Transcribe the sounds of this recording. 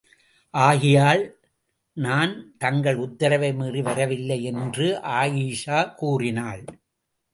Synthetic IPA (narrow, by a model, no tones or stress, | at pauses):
ʔaːɣɪjaːɭ | naːnt̪ɐŋɡɐɭʊt̪ːɐɾɐʋɐɪmiːriʋɐɾɐʋɪlːɐɪɛndrɯʔaːjiːʂaːkuːrɪnaːɭ